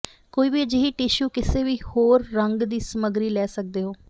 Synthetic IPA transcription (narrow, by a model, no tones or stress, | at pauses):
koːiːbiːd͡ʒɪɦiːʈɪʃuːkɪseːʋiːhoːɾːəŋɡd̪iːsəməɡɾiːlɛːsək̚d̪eːɦoː